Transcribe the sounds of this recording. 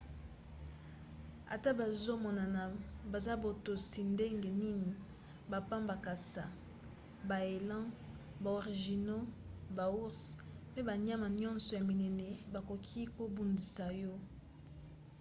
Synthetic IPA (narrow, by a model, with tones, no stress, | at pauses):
a̰˨ta˦ba˨zo˦mɔ˨na˨na˨ba˨za˦bo˨to˨si˨nde˦ŋɡe˨ni˦ni˨ | ba˨pã˦mba˨ka˨sa˨ | ba˨e˨lã˦ | ba˨o˨ʁi˨ʒi˨no˦ba˨u˦ʁspɛ˦ba˨ɲa˦ma˨ɲɔ̃˦nsɔ˨ja˨mi˨nɛ˨nɛ˨ba˨ko˨kʰi˦ko˦bu˨ndi˨sa˨jɔ˦